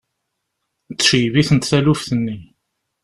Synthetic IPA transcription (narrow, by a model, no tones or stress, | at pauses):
t͡sːʃjviθənt̪θælufθənːi